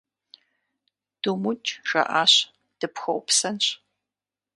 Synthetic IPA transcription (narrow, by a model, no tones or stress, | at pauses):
d̥umʊt͡ʃʼʒɐ̰ʔaːɕ | d̥ɨpxɐwpsɐnɕ